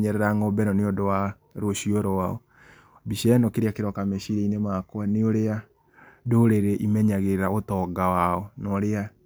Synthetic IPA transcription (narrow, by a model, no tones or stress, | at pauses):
ɲɛɾɛɾaŋɔbɛɾɔneodowa | ɾoʃioɾɔwaɔ | biʃɛnɔkeɾeakeɾɔkameʃiɾeinemakwaneoɾea | doɾeɾeʔimɛɲaɣeɾaotɔɡawaɔnɔɾea